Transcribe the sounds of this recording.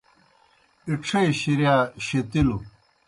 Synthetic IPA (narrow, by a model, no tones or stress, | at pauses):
iʈ͡ʂʰejɕiɾjaːɕet̪ilu